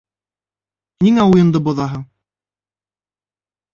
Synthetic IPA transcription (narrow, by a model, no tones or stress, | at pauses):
niŋæujɤ̆nd̪ɤbŭðɑɦɤɴ